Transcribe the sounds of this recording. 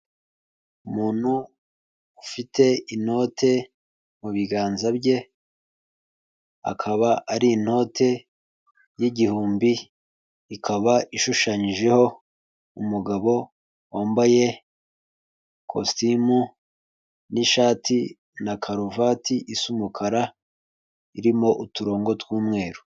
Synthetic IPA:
umuːn̥hu | ufitʰe̞ino̞ːtʰe̞ | muβiɡaːnzabɟe̞ | a̰kʰaβaaɾiːn̥ho̞tʰe̞ | jiɟihuːmbiː | kʰaβaiʃuʃaɲiʒe̞ho̞ | umuɡaβo̞ | woːmboje̞ | kʰo̰stimu | niʃaːtʰi | nakʰaɾuvatʰiʔisumukʰaɾa | iɾimo̞ʔutuɾo̞ːŋɡo̞twuːmŋe̞ːɾu̥

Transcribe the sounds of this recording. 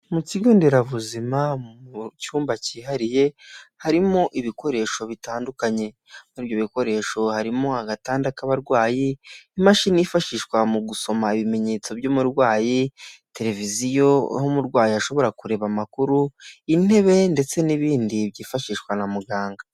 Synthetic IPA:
muciɡoːndeɾaβuzimamcuːmbaciːɦaɾije̞haɾimo̞ʔiβiko̞ɾe̞ʃo̞βitaːndukaɲe̞ | iːβjoβiko̞ɾe̞ʃo̞haɾimo̞aɡataːndakaβaɾɡwaːjiːmaʃinifaʃiʃwamuɡuso̞maiβime̞ɲe̞ːt͡so̞bjoːmuɾɡwaːjite̞ɾe̞vizijo̞̰homuɾɡwaːjiaʃoβo̞ɾakuɾe̞βamakuɾuin̥he̞βe̞nde̞t͡se̞niβiːndiβɟiːfaʃiːʃkwanamuɡaːŋɡa

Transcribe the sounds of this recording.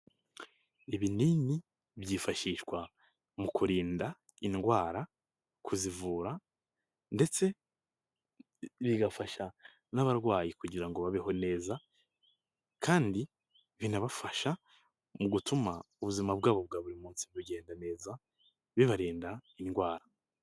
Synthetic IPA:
eβinini | βjiːfaʃiːʃwa | mukuɾiːnda | inɡwaːɾa | kʰuzivuːɾa | nde̞t͡se̞ | βiɡafaʃa | naβaɾɡwaːjikuɟiɾaŋɡo̞βaβeho̞ne̞ːza | kʰaːndi | βinaβafaʃa | muɡutumauβuzimabɡaːβo̞βɡaβuɾimuːnsiβuɟe̞ːndane̞ːza | βiβaɾiːndainɡwaːɾa

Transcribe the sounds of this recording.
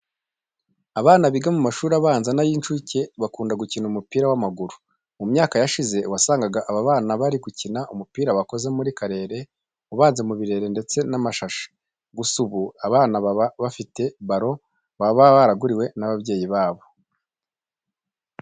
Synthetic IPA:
aβaːnaβiɡamumaʃuːɾaβaːnzanajiːnt͡ʃuce̞βakuːndaɡucinumupiːɾawamaɡuɾu | umɲaːkajaʃize̞wasaːŋɡaɡaʔaβaβaːnaβaɾiɡucinaʔumupiːɾaβako̞ze̞muɾikaɾe̞ːɾe̞ | uβaːnzemuβiɾe̞ːɾe̞nde̞t͡se̞namaʃaʃḁ | ɡusuβuaβaːnaβaβaβafite̞βaɾo̞ | βaβaβaɾaɡuɾiwe̞naβabje̞ːjiβaːβo̞

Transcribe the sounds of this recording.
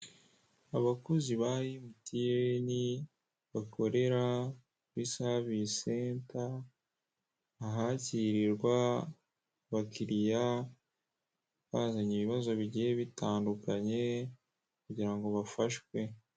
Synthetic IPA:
aβakuziβajimutijeni | βakʰo̞ɾe̞ɾa | βisaβiseːnta | ɦaciɾiɾɡwa | βakiɾija | βaːzaɲiβiβazo̞βiɟijeβitaːndukaɲe̞ | kuɟiɾaŋɡo̞βafaʃwe̞

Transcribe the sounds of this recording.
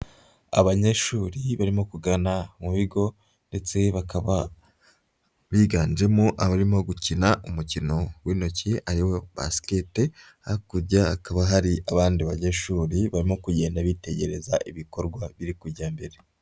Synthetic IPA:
a̰βaɲe̞ʃuːɾiβaɾimo̞kuɡanamuβiɡo̞ | nde̞t͡se̞βakaβa | βiːɡaːnd͡ʒe̞moʔaβaɾimo̞ɡucinaʔumucino̞wiːno̞ciʔaɾiwo̞ba̰skete | hakuɾɟaakaβaɦaɾiaβaːndiβaɲe̞ʃuːɾiβaɾimo̞kuɟe̞ːndaβite̞ɟe̞ɾe̞zaʔiβiko̞ɾɡwaβiɾikuɾɟaːmbe̞ɾe̞

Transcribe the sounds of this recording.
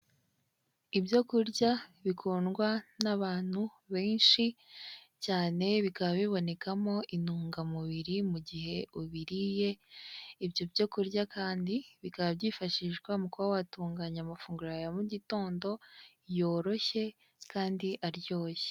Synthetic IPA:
ibjo̞kuɾɟaβikʰuːnɡwanaβaːn̥hu | βe̞ːnʃi | caːne̞βikaβaβiβo̞ne̞kamo̞ʔinuːŋɡamuβiɾimuɟiɦe̞ʔuβiɾije̞ibjo̞bɟo̞kuɾɟakʰaːndiβikaβabɟiːfaʃiʒɡwamukuβawatuːŋɡaɲamafuːŋɡuɾajamuɟito̞ːndo̞ | jo̞ːɾo̞çe̞ | kaːndiʔaɾjo̞ːje

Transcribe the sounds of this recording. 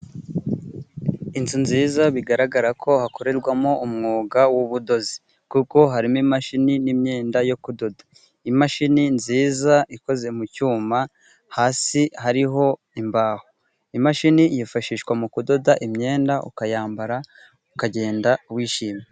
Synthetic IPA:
intunziːzaβiɡaɾaɡaɾakʰo̞hako̞ɾe̞ɾɡwamoʔumŋoːɡawuβudo̞zi̥ | kuko̞ɦaɾimimaʃininimɲe̞ːndajo̞kudo̞dḁ | imaʃininziːzaiko̞ze̞mucuːma | haːsiɦaɾiɦo̞ | imbaːho | imaʃinijifaʃiːʃkwamukudo̞daʔimɲe̞ːndaʔṵkajaːmbaɾa | ukaɟe̞ːndauβwiːʃiːme

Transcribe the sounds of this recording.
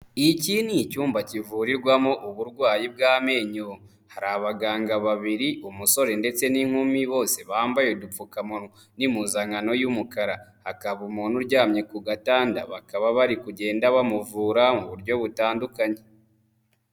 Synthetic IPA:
icinicuːmbacivuɾiɾɡwamoʔuβuɾɡwaːjib̚ɡaːme̞ːɲo | haɾaβaɡaːŋɡaβaβiɾiʔumuso̞ɾe̞nde̞t͡se̞niŋ̥humiβo̞ːse̞βaːmbajedufukamonu | nimuzaŋano̞jumukaɾahakaβumun̥uɾɟaːmɲe̞kuɡataːnda̰βakaβaβaɾikuɟe̞ːndaβamuvuːɾamuβuɾɟo̞βutaːndukaɲe̞

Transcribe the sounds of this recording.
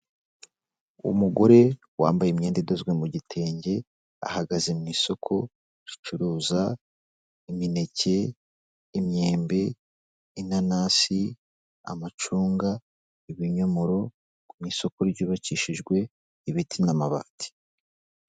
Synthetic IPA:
ṵmuɡo̞ɾe̞ | wa̰ːmbajemɲe̞ːndedozɡwemuɟitʰe̞ːɲɟe̞ | a̰haɡazemŋiːso̞kʰo̞ | ɾit͡ʃuɾuːza | imine̞ce̞ | imɲe̞ːmbe̞ | inanaːsi | a̰mat͡ʃuːŋɡa | iβiɲo̞mo̞ɾo̞ | miːso̞ko̞ɾɟuːβaciʃiʒɡwe̞ | iβitʰinamaβa̰ːtʰi̥

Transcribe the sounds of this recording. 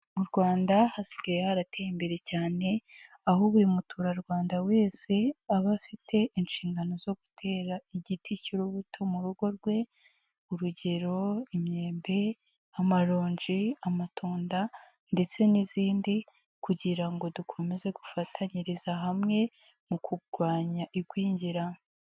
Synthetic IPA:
muɾɡwaːndahasi̥ɡajehaɾatejimbe̞ɾe̞caːne̞ | ahoβuɾimutʰuːɾaɾɡwaːndawe̞ːse̞aβafitʰe̞ʔinʃiːŋɡano̞zo̞ɡu̥tʰe̞ːɾaiɟitʰiciɾoβutʰo̞muɾuɡo̞ɾɡwe̞ | uɾuɟe̞ɾo̞imɲe̞ːmbe̞ | amaɾoːɲd͡ʒiamatʰuːnda | nde̞t͡se̞niziːndi | kuɟiɾaŋɡo̞dukʰo̞me̞ze̞ɡufatʰaɲiɾizaɦamŋe̞ | mukʰuɡɡwaːɲaʔiɡwiːɲɟiɾa

